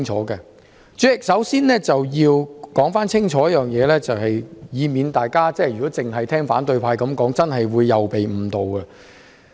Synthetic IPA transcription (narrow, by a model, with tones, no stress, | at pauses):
ŋt͡ʃʰɔ̰ː˨˥ɡɛ˧ | t͡ʃyː˨˥jɪ˨k̚sɐ˨˥wsiː˥nlɛː˥t͡sɐ˨wjiː˧wkɔː˨˥ŋfaː˥nt͡sʰɪ˥ŋt͡ʃʰɔː˨˥jɐ˥jœː˨ŋjɛː˨˧lɛː˥t͡sɐ˨whɐ˨jjiː˨˧miː˨nt̪aː˨jkaː˥t͡sɛː˥jyː˨˩kɔː˨˥t͡sɪ˨ŋɦɐ˨jt̪ʰɛː˥ŋfa̰ː˨˥nt̪ɵ˧ɥpʰaː˧jkɐ˨˥mkɔː˨˥ŋt͡sɐ˥nɦɐ˨jwuː˨˧jːɐ˨wpe˨jm̩ː˨˩t̪o˨wkɛ˧